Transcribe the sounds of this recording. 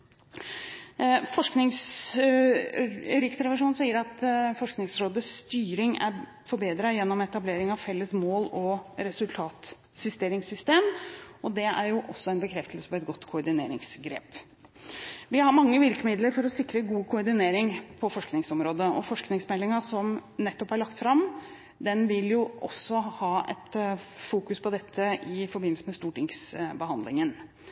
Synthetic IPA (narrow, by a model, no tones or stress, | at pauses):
fɔʂknɪŋs | œɾɪksɾɛʋɪʂuːnsiːəɾɑt̪fɔʂknɪŋsɾoːd̪əsst̪yːɾɪŋæ̰ɾ | fɔɾbeːd̪ɾɑjɛnːɔmɛt̪ɑbleːɾɪŋɑʋfɛlːəsmoːlɔɾɛsʉlt̪ʰɑːt̪ | sʏst̪eːɾɪŋsʏst̪eːmɔd̪ɛæɾjʊʔɔsːɔɛnbəkʰɾɛft̪əlsə̥pɔɛt̪̚ɡɔt̪ːkʰʊːɾɖ̪ɪnḛːɾɪ̰ŋsɡɾḛːp | ʋɪhɑɾmɑŋːəʋɪɾkəmɪd̪ləɾfɔɾɔsɪkɾəɡuːkʰʊːɾɖ̪ɪneːɾɪŋpʰɔfɔʂknɪŋsɔmɾoːd̪əɔ̰fɔʂknɪŋsmɛlːɪŋɑsɔmnɛt̪ːɔphæɾɭɑkt̪fɾɑm | d̪ɛnʋɪljʊʔɔ̰sːɔhɑːɛ̰t̪fuːkʉspʰɔd̪ɛt̪ʰːəɪfɔɾbɪnəlsəmɛst̪uːʈɪŋsbəhɑnd̪lɪŋən